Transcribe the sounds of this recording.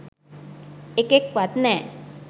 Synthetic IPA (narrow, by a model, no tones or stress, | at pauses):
ekek̚ʋat̪nɛ